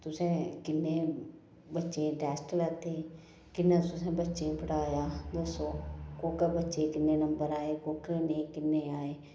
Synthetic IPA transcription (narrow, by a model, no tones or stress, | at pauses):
t̪ʊsẽːkɪnːeː | bətːʃẽːɖɛːsʈlət̪ʰːeː | kɪnːẽːt̪ʊsẽːbətːʃẽːpəɽaːjaːd̪oːsoːkoːkəbətːʃeːkɪnːeːnəmbəɾaːeːkoːkeːnẽkɪnːeːaːeː